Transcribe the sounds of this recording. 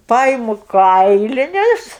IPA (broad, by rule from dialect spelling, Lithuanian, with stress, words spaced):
ˈpɐɪmʊ ˈkɐɪlʲɪnʲʊs